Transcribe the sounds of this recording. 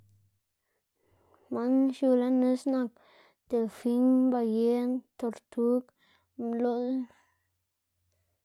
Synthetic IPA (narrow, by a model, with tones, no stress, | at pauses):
ma˦nʃu˧la˦ne˦sna˧˨k̚ | t̪e˨lfi˧˦nba˧je˦nt̪o˧˨ɾt̪u˦k | mlo˦l